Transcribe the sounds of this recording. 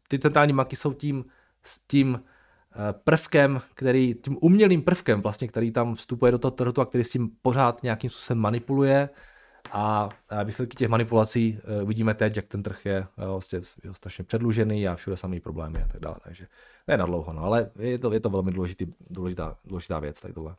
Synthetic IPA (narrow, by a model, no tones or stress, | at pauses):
t̪ɪt͡sɛnt̪ɾaːlɲiːbaŋkɪso̞wciːm | scim | pr̩fkɛmkt̪ɛɾiːc̪iːmʔumɲɛliːmpr̩fkɛmvlast̪ɲɛk̚t̪ɛɾiːt̪amfst̪upujɛdot̪oɦot̪r̩ɦut̪uakt̪ɛɾiːscimpo̞ɾ̝aːt̪ɲɛjakiːmspu̥ːsovɛmːanɪpulujɛ | ʔaviːslɛt̪kɪ̥cɛxmanɪpulat͡siːuvɪɟiːmɛt̪ɛcjak̚t̪ɛnt̪r̩xjɛascɛjɛost̪ɾaʃɲɛpr̝̥ɛdluʒɛniːafʃudɛsamjɛjpɾoblɛ̰ːmɪat̪aɡ̚da̰ːlɛ̰t̪a̰ɡʒɛnɛjɛnadlowɦonoalɛjɛɛt̪ojɛt̪ovɛlmɪduːlɛʒɪt̪iːduːlɛʒɪt̪a̰ːduːlɛʒɪt̪a̰ːvjɛ̰t͡st̪a̰ɡ̚d̪olɛ